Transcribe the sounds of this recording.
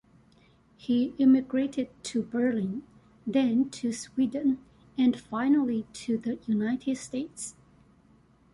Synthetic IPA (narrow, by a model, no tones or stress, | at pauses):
hiɪmɨɡɹeɪɾɨd̚tʰɨbə˞lɪ̃n | ðɨ̃ntʰɨswidə̃n | ɨ̃nfaɪnəlˠitʰɨðəjunaɪɾʰɨdsteɪts